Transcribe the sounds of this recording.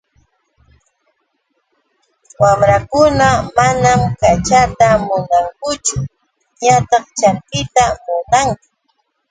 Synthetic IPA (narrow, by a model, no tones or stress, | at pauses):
wamɾakʊnamanamkat͡ʃat̪amʊnaŋkʊt͡ʃʊ | ɲat̪ɑχt͡ʃanp̪ɪt̪amʊnaŋkʊ̥